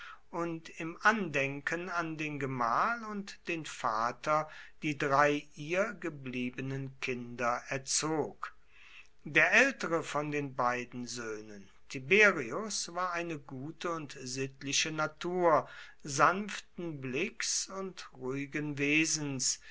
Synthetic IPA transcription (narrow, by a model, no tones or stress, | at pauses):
ʔʊntɪmʔandɛŋkʰənandeːnɡəmaːlʊntd̥eːnfaːtɐd̥iːdʁaɪʔiːɐɡəbliːbənənkʰɪndɐʔɛɐt͡soːk | d̥eːɐʔɛltəʁəfɔndeːnbaɪdn̩zøːnən | tʰibeːʁiʊsv̥aːɐaɪnəɡuːtʰəʊntzɪtlɪʃənatʰuːɐzanftn̩blɪksʊntʁuːɪɡənveːzn̩s